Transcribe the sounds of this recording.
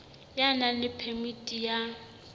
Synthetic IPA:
janalɪpʰɛmitʼija

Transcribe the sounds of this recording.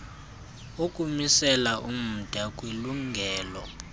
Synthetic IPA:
ukʼumisɛlaʔum̩d̥ʱakʼwiluŋɡʱɛːlɔ

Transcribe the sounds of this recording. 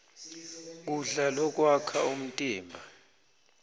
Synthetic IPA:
k̬uɮalɔk̬ʼwakʰaum̩tʼiːmbʱa

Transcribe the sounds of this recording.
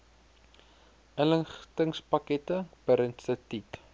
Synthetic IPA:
ʔələŋχtəŋspɐkɛtəb̥əɾənstətit

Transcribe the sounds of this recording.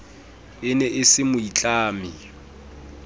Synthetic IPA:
ɪnɛʔɪsɪmʊit͡ɬʼaːmɪ

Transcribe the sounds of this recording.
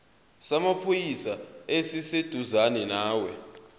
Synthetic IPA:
samapʰojisaesised̥ʱuzanɛnaːwɛ̰

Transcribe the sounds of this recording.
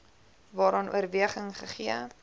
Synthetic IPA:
vɑːɾɑnʔṵərviəχəŋχəχiə

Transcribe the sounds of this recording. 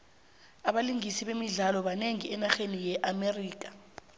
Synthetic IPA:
aɓaliŋisiɓemiɮalɔɓaneŋiɛnaxenijɛʔameriːk̬ḁ

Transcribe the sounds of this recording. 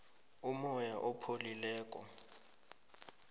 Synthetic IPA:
umɔjaʔɔpʰolilɛːkʼɔ

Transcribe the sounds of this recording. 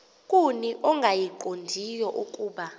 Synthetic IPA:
kʼuniʔɔŋɡʱajiǃondʱijɔʔukʼuːɓa

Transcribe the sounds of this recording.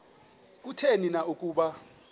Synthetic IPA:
kʼutʰeninaʔukʼuːɓa

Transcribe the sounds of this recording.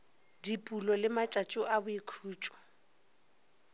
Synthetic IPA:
dipʼulɔlɪmat͡ʃʼat͡ʃʼʊʔabʊikʰuːt͡ʃʼɔ̥

